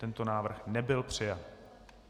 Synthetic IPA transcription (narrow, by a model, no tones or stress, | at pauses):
t̪ɛnt̪onaːvr̩xnɛbɪlpr̝̥ɪjat̪